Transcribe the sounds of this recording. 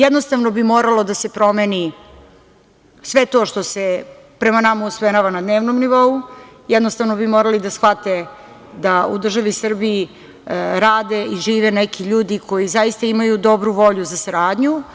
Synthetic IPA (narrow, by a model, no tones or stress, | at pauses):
jɛd̪nost̪aʋnobimo̞ːɾalo̞d̪ase̞pɾo̞meni | sʋet̪o̞ʃt̪o̞se | pɾemanamausmenaʋanad̪neːʋnomniʋo̞u | jɛd̪nost̪aʋno̞bimoːɾalid̪asxʋat̪e̞ | d̪aud̪r̩ʒaʋisr̩biː | ɾaːd̪eiʒiːʋenekiʎuːd̪ikʰo̞jizajist̪aimajud̪o̞bɾuʋo̞ʎuzasaɾaːd̪ɲu